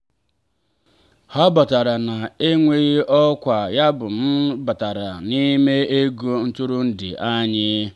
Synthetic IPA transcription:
hɔ˦ba˨ta˨ɾa˨na˨e˦ŋʷe˦ɣi˦ʔɔ˦kʷa˨ja˦bʊ˨m̩˦ba˨ta˨ɾa˨ni˦me˦e˦ɡu˦n̩˦tʊ˦ɾʊ˦n̩˦dɪ̰˨ʔa˦ɲɪ˦

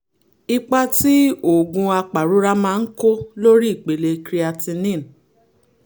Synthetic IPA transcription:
i˧k͡pa˧ti˦o˨ɡũ˧a˧k͡pa˨ɾu˨˦ɾa˦mãː˦˧n̩˦ko˦lo˦ɾi˦i˦˨k͡pe˨le˧kɾi˦a˧tĩ˧nĩ˦˨n˨

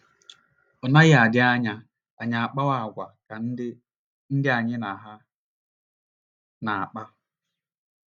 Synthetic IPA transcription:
ɔ˨na˦ɣɪ˦a˨dɪ˦a˦ɲa˦ | a˨ɲa˨a˨k͡pa˦wa˨ɡʷa˨ka˨n̩˦ | n̩˦dɪ˦a˨ɲɪ˦na˨ɦa˦ | na˨a˨k͡pa˦

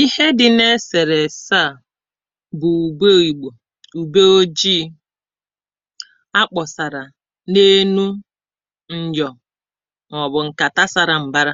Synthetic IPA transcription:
i˦he˦dɪ˨ne˦se˨ɾe˨sa˦˨ | bʊ˨u˨ɡ͡be˦i˨ɡ͡bo˨ | u˨ɡ͡be˦o˦d͡ʒi˦ | a˦k͡pɔ˨sa˨ɾa˨ | ne˦nu˦ | n̩˦d͡ʒɔ˨ | ŋɔ˨bʊ˨ŋ̩˨ka˨ta˦sa˨ɾa˨m̩˨ba˦ɾa˦

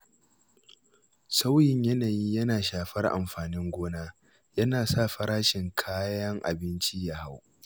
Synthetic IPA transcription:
sa˦wjɪ˨ɲjɐ˦naː˨jiː˦jɐ˦naː˨ʃaː˨ɸɐ˦rʔa̰˨mɸaː˨nɪ˦ŋɡʷoː˦naː˦ | jɐ˦naː˨sa˦˨ɸɐ˦ɾaː˦ʃɪ˨ŋkʰaː˦jɐ˦ŋʔa̰˨bɪ˦nt͡ʃi˦ja˨ha˦w

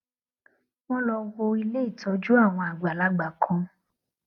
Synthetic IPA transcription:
w̃ɔ̃˦lɔ˧wo˧i˧le˦i˦˨tʰɔ˨˦d͡ʒu˦a˦˨w̃ɔ̃˧a˨ɡ͡ba˨la˨˦ɡ͡ba˨kʰɔ̃˧

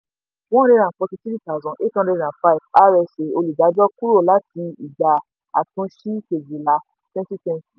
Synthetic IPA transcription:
w̃ɔ̃˦ɾe˧˦ɾ̃ã˨k͡pɔ̃˧tĩ˧ti˦ɾi˦˨ta˨zɔ̃˨ʔe˦tã˧˦ɾe˧ɾã˨fa˧i˨fa˦ɾɛ˧˨se˨o˧lu˨ɡa˨˦d͡ʒɔ˦ku˦ɾo˦˨la˦ti˧i˨d͡ʒa˨ | a̰˨tũ˧ʃi˦ke˨d͡ʒi˨la˧˦ | tɛ̃˦ti˦tɛ̃˧n˦ti˨

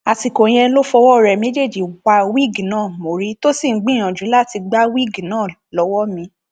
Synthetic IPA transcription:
a˨ti˨ko˨j̃ɛ̃˧˦lo˦fɔ˧wɔ˦˨ɾɛ˨me˦d͡ʒe˦˨d͡ʒi˨wa˧wi˦˨ɡnãː˦˨mo˨ɾi˦to˦si˦˨˦ɡ͡bĩ˦j̃ã˨d͡ʒu˨˦la˦˨ti˧ɡ͡ba˦wi˦˨ɡnãː˦˨ | lɔ˨˦wɔ˦mĩ˧

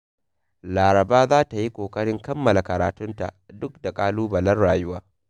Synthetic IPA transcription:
laː˨ɾɐ˨baː˦zaː˦ta˨ji˦kʷoː˨kʼɐ˦ɽɪ˦ŋkɐ˦mːɐ˨la˨kɐ˨ɾaː˨tʊ˦nta̰˨ʔdʊ˦k̚da˨kʼaː˦luː˦bɐ˨lɐ˦rɽaː˨jʊ˦waː˦

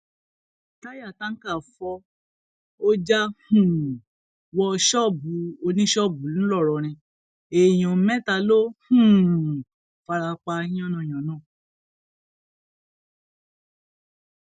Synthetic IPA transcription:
ta˦ja˦˨ta˦n̩˦ka˦˨fɔ˧ | o˦d͡ʒa˦hũ˨ | wɔ˧ʃɔ˦˨bu˨˦o˧nĩ˦ʃɔ˦˨bu˨˦nũ˦lɔ˦˨ɾɔ˧ɾ̃ĩ˧ | e˨j̃ɔ̃˨˦mɛ̃˦˨ta˧lo˦hũ˨ | fa˧ɾa˧k͡pa˧ĩ˦ɔ̃˦nɔ̃˧˨ɔ̃˨nãː˦˨

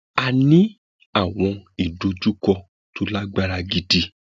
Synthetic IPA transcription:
a˧nĩ˦ | a˦˨w̃ɔ̃˧i˦˨do˧du˦kɔ˧ | to˧la˦ɡ͡ba˦ɾa˧ɡi˧di˧

